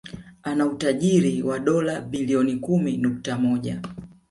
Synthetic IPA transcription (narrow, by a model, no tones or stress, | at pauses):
anautaʄiɾiwaɗɔlaɓiliɔnikuminuk̚tamɔʄa